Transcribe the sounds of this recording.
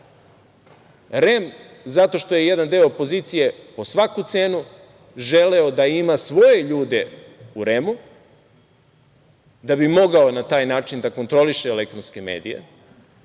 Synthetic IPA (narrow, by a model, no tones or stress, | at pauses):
ɾe̞m | zat̪o̞ʃt̪o̞je̞je̞d̪and̪eo̞ːpo̞ziːt̪sije̞po̞sʋakut̪se̞ːnu | ʒe̞leo̞d̪aimasʋo̞je̞ʎuːd̪e̞ | uɾe̞mu | d̪abimo̞ɡao̞nat̪aːjnaːt͡ʃind̪ako̞nt̪ɾo̞liʃeːle̞k̚t̪ɾo̞nskeme̞̰ːd̪ḭje̞̰